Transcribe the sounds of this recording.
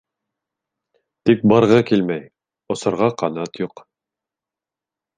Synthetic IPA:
t̪ik̚bɑɾʁɤkilmæj | ŏsɤ̆ɾʁɑqɑnɑt̪juq

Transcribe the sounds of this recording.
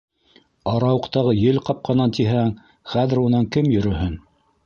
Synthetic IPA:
ɑɾɑwɤ̆qt̪ɑʁɤjɘlqɑp̚qɑnɑnt̪iɦæŋ | χæðɘ̆ɾunɑŋkɘmjɵ̆ɾɵ̆hɘn

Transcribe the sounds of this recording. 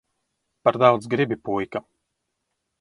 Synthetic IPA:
paɾd̪awd̪zɡɾibʲipujka

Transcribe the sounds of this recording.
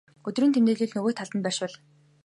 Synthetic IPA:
ɵt̪ɵ̆rɘ̆nt̪ʰemt̪eːɮeːɮnɵɣoːt̪ʰaɮt̪ə̆npæːʃʊɮ

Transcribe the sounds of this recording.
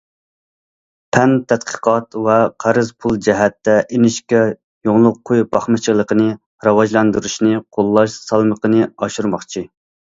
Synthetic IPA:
pʰɛnt̪ʰɛt̪qʰə̥qʰɑt̪vɛqʰæɾɨzpʰulˠd͡ʒɛɦɛt̪ːɛʔenɪʃkʲɛ | joŋlˠʊqʰːojbɑχmɨt͡ʃʰəlˠəqənɨ | ɾɑwɑʒlˠɑnd̪uɾuʃnɨqʰolˠːɑʃsɑlˠməqənɨɑʃuɾmɑχt͡ʃʰi

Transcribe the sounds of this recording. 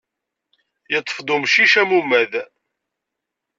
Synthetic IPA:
jət̪ˤːə̥fd̪ʊmʃiʃæmumːæð

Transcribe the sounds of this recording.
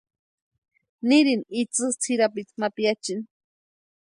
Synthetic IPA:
nɪɾɪnit͡sɨt͡sʰiɾapɪt͡s̪mapjat͡ʃin

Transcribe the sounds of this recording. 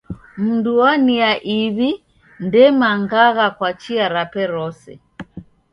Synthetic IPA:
m̩nduɔniaʔiβi | ndɛmaŋɡaɣakwat͡ʃiaɾapɛɾɔsɛ̰

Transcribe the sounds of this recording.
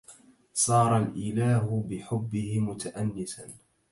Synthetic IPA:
sˤɑːɾˤɑlʔɪlaːɦʊbɪħʊbːɪhɪmʊt̪aʔanːɪsan

